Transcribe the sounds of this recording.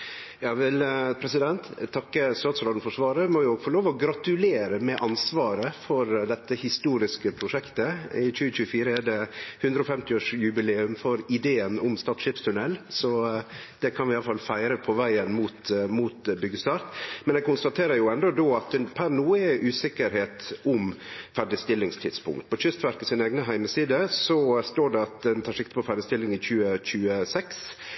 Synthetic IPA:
jɑːʋɪlpʰɾɛsɪd̪ɛnt̪t̪ʰːɑkːəst̪ɑːt̪sɾɑːd̪n̩fɔʂʋɑːɾəmoːjʊfɔɾɭoːʋɔɡɾɑt̪ʉleːɾəmɛʔɑnsʋɑːɾəfɔɾd̪ɛt̪ːəhɪst̪uːɾɪskəpʰɾʊʂɛkt̪əɪc͡çʉːət͡ʃʉːəfiːɾəɛɖɛhʉnd̪ɾəɔːfɛmt̪ɪoːʂjʉbɪleːʉmfɔɾɪd̪eːənʊmst̪ɑːʈ̪ʂɪpst̪ʰʉnɛlːsɔ | d̪̥ɛkʰɑnʋɪɑləfɑlːfæɪɾəpʰɔʋæɪənmuːt̪muːt̪bʏɡːəst̪ɑɾt̪mɛnɛɡ̚kʊnst̪ɑt̪ʰeːɾəɾjʊɛnd̪ɔd̪oːɑt̪̚ɛpʰæɾnuːəɪʔʉːsɪkːəɾheːt̪ʊmfæɖɪst̪ɪlːɪŋst̪ʰɪd̪spʰʊ̰ŋkt̪̚pʰɔçʏst̪ʋæɾkəsɪneːɡnəɦæɪməsiːd̪əsɔst̪oːɖɛɑt̪̚d̪ɛnt̪ʰɑːɾʂɪkt̪ə̥pʰɔfæɖɪst̪ɪlːɪŋɪçʉːəc͡çʉːəsɛks

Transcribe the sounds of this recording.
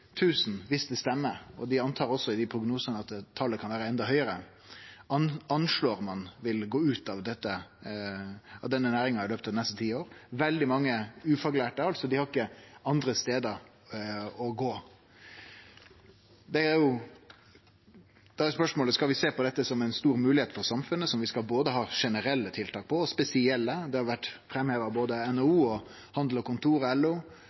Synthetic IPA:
t̪ʰʉːsn̩ʋɪst̪əst̪ɛmːəɔd̪ɪɑnt̪ʰɑːɾɔsːɔɪd̪ɪpʰɾʊɡnuːsənəɑt̪t̪ʰːɑləkʰɑnʋæːɾəɛnd̪ɑɦœʏəɾə | ɑnʂɭoːɾmɑnʋɪlɡoːʉːt̪ɑʋd̪ɛt̪ːə | ɑt̪d̪ɛnːənæːɾɪŋɑɑɾløːpt̪ɑd̪ɪnɛst̪ət̪ʰiːoːɾʋɛld̪ɪmɑŋːəʉːfɑɡlæːʈəɑlt̪sɔd̪ɪhɑɾɪkːəɑnd̪ɾəst̪eːd̪əɾ | ɔɡoː | d̪ɛæɾjʊ | d̪̥ɑæspœʂmoːləskɑlʋɪseːpɔd̪ɛt̪ːəsɔmæɪnst̪uːɾmʉːlɪheːt̪fɔɾsɑmfʉnːəsɔmʋɪskɑlboːd̪əɦɑːʂɛnəɾɛlːət̪ʰɪlt̪ʰɑːk̚pʰɔɔspɛsɪɛlːəd̪ɛhɑɾʋæʈːfɾɛmheːʋəɑboːd̪əɛnɑuːɔ | hɑnd̪l̩ɔkʊnt̪ʰuːɾɛlːuː

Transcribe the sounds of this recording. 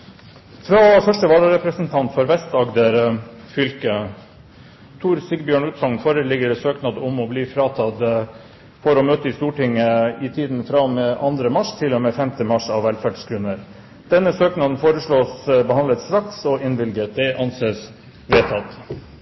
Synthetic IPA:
fɾɑːfœʂʈəʋɑːləɾɛpɾəsnt̪ʰɑnt̪fɔɾʋɛst̪ɑɡd̪əɾ | fʏlkə | t̪ʰuːɾsɪɡbjøːɳʉːt̪sɔŋnfoːɾəlɪɡəɾɛsøːknɑd̪ɔmɔbliːfɾɑːt̪ʰɑd̪ | fɔɾɔmøːt̪əɪst̪uːʈɪŋːəɪt̪ʰiːd̪n̩fɾɑmeʔɑnd̪ɾəmɑʂt̪ʰɪlːɔmeːfɛmt̪ʰəmɑʂɑʋːælfæːɖskʰɾʉnːəɾ | d̪̥ɛnːəsøːknɑd̪nfoːɾəʂɭoːsbəɦɑnlət̪sɾɑksɔɪnʋɪlɡəd̪ɛʔɑnseːs | ʋeːt̪ʰɑt̪

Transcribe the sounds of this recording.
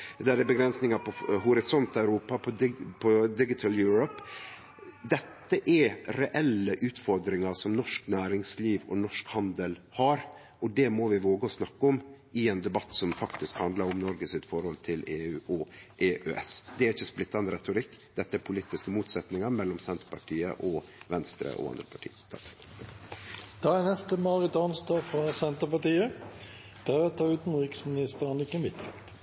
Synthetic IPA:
ɛd̪æːd̪ɛbəɡɾɛnsnɪŋɑpʰɔɦʊɾɪsɔnt̪æʉɾuːpɑpʰɔpʰɔd̪ɪɡɪt̪ʰəljʉːɾɔp | d̪ɛt̪ːəʔɛɾɾɛʔɛlːəʔʉːt̪fɔɾd̪ɾɪŋɑɾʂɔmnɔʂknæːɾɪŋsliːʋɔ̰nɔʂkhɑnd̪əlhɑɾ | ɔd̪ɛmɔʋɪʋoːɡəɔsnɑkːɔmʔɪɛnd̪ɛbɑt̪ːsɔmfɑkt̪ɪskhɑnd̪lɑɾɔmnɔɾɡəsɪt̪fɔɾhɔlt̪ʰɪleːʉːʔɔʔeːʔøʔɛ̰sd̪ɛæɾɪçːəsplɪt̪ːɑnd̪əɾɛt̪ʊɾɪkːd̪̥ɛt̪ːəæɾpʰʊliːt̪ːɪskəmuːt̪sɛt̪nɪŋɑɾmɛlːɔmsɛnt̪ə̥ɾpʰɑʈʰiːə̰ʔɔʋɛnst̪ɾə̰ʔɔ̰ɑ̰nd̪ɾəpʰɑʈʰḭːt̪ʰɑ̰ | d̪̥ɑːnɛst̪əmɑːʁɪt̪ɑnst̪ɑːɡfɾɑsɛnt̪əpɑʈiːə | d̪̥æɾɛt̪ʰːɑʉːt̪n̩ʁɪksmɪnɪst̪əɾənɪkənʋɪt̪fɛ̰lt̪

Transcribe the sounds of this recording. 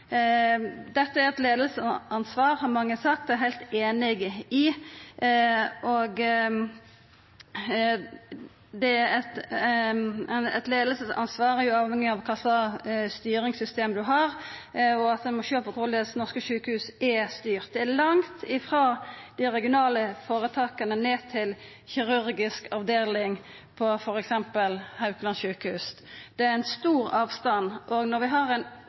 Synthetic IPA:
d̪ɛt̪ːəæɾɛt̪leːd̪əlsəɑnsʋɑːʁhɑʁmɑŋːəsɑk̚t̪̚ɛɛɦæɪlt̪eːnɪɡɪ | ʔɔɡ | d̪ɛæɾɛt̪ | nɛ̰t̪leːd̪lsəsɑ̰nsʋɑːʁjʊɑːʋhɛŋːɪɑʋkʰɑsɑst̪yːɾɪŋsʏst̪eːmd̪ʉɦɑʁɔɑt̪̚d̪ɛmɔʃøːpəkʰʊld̪ɛsnɔʁskəʃʉːkəhʉːsɛst̪yːʁt̪̚d̪ɛælɑŋt̪ʰɪfʁɑːd̪̥ɪɾɛɡɪʊnɑːləfoːʁət̪ʰɑːkɑnəneːt̪ʰɪl | çɪʁʉɾɡɪskɑʋd̪eːlɪŋ | pʰɔfɔɾɛksɛmpəlhɑʉklɑnʃʉːkəhʉːs | d̪̥ɛææɪnst̪uːʁɑːʋst̪ɑnːʔoɡnɔɾʋɪɦɑʁɛn

